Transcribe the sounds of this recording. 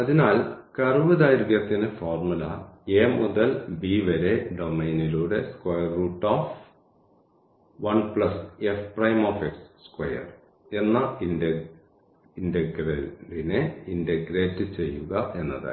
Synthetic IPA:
ɐðinaːlkɐrɨʋɨd̪aːjɾðjɐt̪ːinɨfoːrmulɐeːmuðɐlbiʋɐɾe̞ɖomɐjniluːɽe̞skwɐjɐrːuːʈːaːf | ʋɐɳpɭɐsefprɐjmoːfeksskwɐjɐ̰r | e̞nːɐin | indeɡrɐlineindeɡɾeːtːɨt͡ɕe̞jːuɣɐʔe̞nːɐ̰ða̰ː

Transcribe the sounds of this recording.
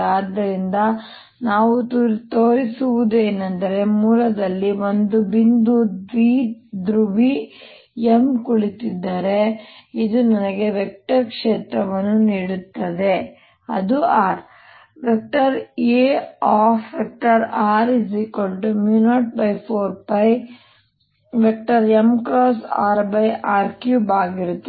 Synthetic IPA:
aːd̪ːɐɾind̪ɐ | naːʋut̪uɾt̪oːɾisuʋud̪ue̞ːnɐnd̪ɐɾe̞muːlɐd̪ɐlːiʋond̪ubind̪uʋiːd̪ɾubi | emkuɭit̪id̪ːɐɾe̞id̪unɐnɐɡe̞ʋek̚ʈɐɾkʂeːt̪ɾɐʋɐnːuniːɽut̪ːɐd̪e̞ | ɐ̰d̪uaːɾ | ʋek̚ʈɐɾeːaːfʋek̚ʈɐɾaːɾizikolʈumjuːnaːʈ̚bɐjpʰoːɾpɐj | ʋek̚ʈɐɾemkɾoːsaːɾbɐjʔaːɾkjuːbaːɡiɾut̪ːe

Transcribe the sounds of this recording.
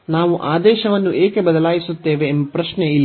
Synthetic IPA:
naːʋuʔaːd̪ɛːʃɐʋɐnːuʔeːkebɐd̪ɐlaːjisut̪ːe̞ːʋeːmbɐpɾɐʃneilː

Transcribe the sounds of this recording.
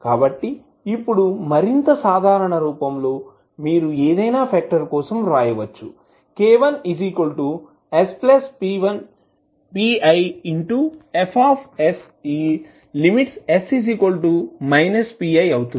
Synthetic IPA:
kaːbɐʈːiː | pːuɽumɐɾint̪ɐsaːd̪ʱaːɾɐɳɐɾuːpɐmlo̞ː | miːɾueːd̪ɐjnaːpʰɛːk̚ʈɐɾkɔːsɐmɾaːjɐʋɐt͡ʃːu | keːʋɐnisikolʈu | esplɐspiʋɐn | piːɐjiɳʈuepʰaːpʰes | iː | limiʈsesisikolʈumɐjnɐspiːɐjɐwut̪u

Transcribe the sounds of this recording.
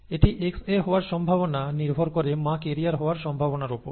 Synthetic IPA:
eʈiʔekseɦɔoaɾʃɔmbʱabonaniɾbʱoɾkoɾemãkeɾiaɾɦɔoaɾʃɔmbʱabonaɾupoɾ

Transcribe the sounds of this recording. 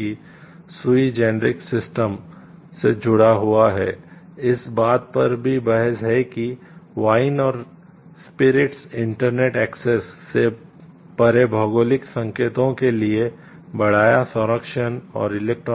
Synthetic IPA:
i | sʊid͡ʒɛːnɾɪksɪsʈəm | sed͡ʒʱʊɽaɦuaɦɛ̰ː | ɪsbaːt̪̚pɐɾbʱibɐɦəsɦɛkiʋaːɪnɔːɾ | spɪɾɪʈsɪ̃ɳʈəɾneːʈɛːksesːe | pɐɾebʱɔɡoːlɪksɐ̃ŋkeːt̪õkelie | bɐɽ̤aːjasʊ̃ɾəkʃənɔ̰ːɾɪleːk̚ʈɾ

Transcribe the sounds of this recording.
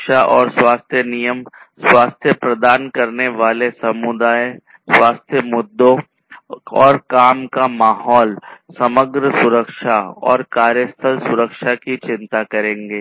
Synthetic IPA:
ʃaʔɔːɾswaːst̪ʰjənijəm | swaːst̪ʰjəpɾɐd̪aːnkɐɾneʋaːlesɐmʊd̪aːe | swaːst̪ʰjəmʊd̪ːõ | ɔːɾkaːmkamaːɦɔːlsɐməɡɾəsʊɾəkʃaɔ̰ːɾkaːɾjəst̪ʰəlsʊɾəkʃakit͡ʃɪ̃nt̪akɐɾẽːŋɡeː

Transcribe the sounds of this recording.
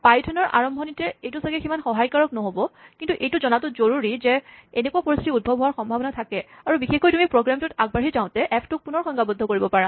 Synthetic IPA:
pajtʰɔnɔɹʔa̰ɹɔmbʱɔnitɛejtusaɡɛximanxɔɦajkaɹɔknɔɦobɔkintuʔejtʊzɔnatʊzoɹuɹizɛenɛkuapoɹist̪ʰitiud̚bʱɔbʱɔwaɹxɔmbʱabɔnatʰakɛaɹubixexojtumipɹoɡɹamtutaɡ̚baɹɦizaʊ̃tɛʔɛpʰtʊk̚punɔɹxɔŋɡabɔdʱːɔkoɹibɔpaɹa

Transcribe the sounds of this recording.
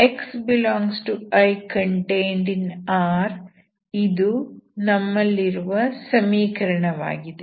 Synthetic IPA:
eksbilɔːŋɡsʈuɐjkɐɳʈejɳɖinaːɾ | id̪unɐmːɐlːiɾuʋɐsɐmiːkɐɾɐɳɐʋa̰ːɡid̪e

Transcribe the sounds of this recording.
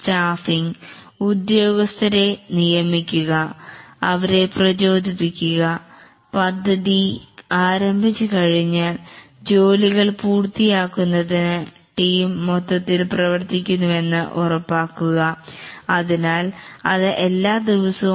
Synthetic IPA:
taːfiŋ | ud̪jo̞ːɡɐst̪ʰɐɾe̞nijɐmikʲːuɣɐɐʋɐɾe̞prɐt͡ɕo̞ːd̪ʱipːikʲːuɣɐ | pɐd̪ʱːɐðiaːɾɐmbʱit͡ɕːɨkɐɻiɲːaːl | d͡ʑo̞ːliɣɐɭpuːrt̪ijaːkːunːɐðinɨ | ʈiːmːot̪ːɐt̪ːilprɐʋɐrt̪ikʲːunːume̞nːɨʔurɐpːaːkːuɣɐɐðinaːlɐðɨʔelːaːd̪iʋɐsɐ

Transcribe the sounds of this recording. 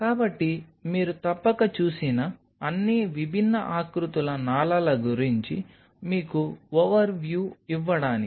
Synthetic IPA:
kaːbɐʈːimiːɾut̪ɐpːɐkɐt͡ʃuːsinɐː | nːiʋibʱinːɐʔaːkɾut̪ulɐnaːlɐlɐɡuɾiɲt͡ʃi | miːkuoʋɐɾʋjuːiʋːɐɽaːni

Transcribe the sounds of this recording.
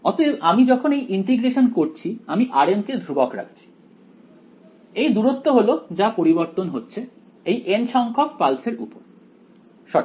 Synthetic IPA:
ɔt̪ebamid͡ʑɔkʰonejʔiɳʈiɡɾeʃonkoɾt͡ɕʰiamiʔaɾenked̪ʱɾubokɾa̰k̚t͡ɕʰi̥ | ejd̪uɾot̪ːoɦolod͡ʑapoɾiboɾt̪onɦotːɕʰe | ejʔenʃɔŋkʰok̚palseɾʔupoɾ | ʃɔ

